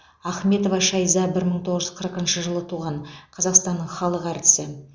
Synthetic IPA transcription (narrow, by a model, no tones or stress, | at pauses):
ɑχme̞t̪o̞vɑʃɑjzɑbɪɾməɴt̪ʰo̞ʁəʒʏzqʰəɾəqənʃəʒəlˠət̪ʰuʁɑɴqʰɑzɑqst̪ɑnːəɴχɑlˠəqæɾt̪ɪ̥sɪ